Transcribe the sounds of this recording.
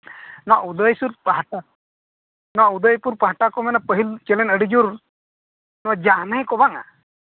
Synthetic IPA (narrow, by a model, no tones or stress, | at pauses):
nɔwa̰ʔud̪əjsuɾpaɦaʈa | nɔwaʔud̪əjpuɾpaɦaʈakɔmɛnapəɦilt͡ʃɛlɛnəɽid͡ʒuɾ | nɔwad͡ʒanəɦkɔbaŋa̰